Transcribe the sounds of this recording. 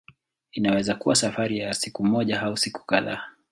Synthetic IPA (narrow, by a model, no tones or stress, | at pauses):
inawɛzakuwasafaɾijasikumɔʄaɦausiku̥kaða̰ː